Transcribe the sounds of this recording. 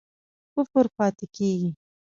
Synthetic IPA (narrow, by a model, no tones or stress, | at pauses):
pʊfʊɾpɑːt̪ɪkeɡi